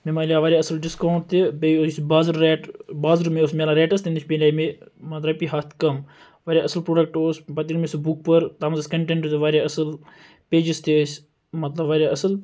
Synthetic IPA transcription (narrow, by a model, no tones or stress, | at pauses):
memaːliaːʋaːɾjaːɐsəlɖɪskãːɳʈt̪ːibeosbaːzɾeːʈbaːzɾmeoːsmʲaːlãɾeːʈɐst̪ĩnd̪ut͡ʃʰʲpenlaːmemɐt̪lɐpiɦaːt̪ʰkɐm | ʋaːɾjaʔɐsəlpɾoːɖɐk̚ʈoːsbɐt̪iɾmesubuk̚pɐɾt̪aːmɐzɐskɐɳʈẽɳʈt̪ʋaːɾjaɐsɨl | peːd͡ʒist̪ʰesʲ | mɐt̪lɐʋaːɾʲjaʔɐsɨl